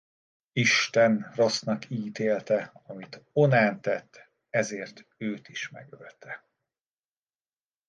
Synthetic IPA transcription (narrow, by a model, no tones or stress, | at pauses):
iʃt̪ɛnrosnɒkʰiːt̪eːlt̪ɛɒmit̪onaːnt̪ɛt̪ʰː | ɛzeːrt̪øːt̪iʃmɛ̰ɡølt̪ʰɛ